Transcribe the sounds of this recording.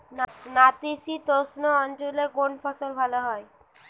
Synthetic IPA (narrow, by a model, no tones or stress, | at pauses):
nnat̪isit̪osnoɔnt͡ɕoleɡoɳpʰɔsolbʱaloɦɔe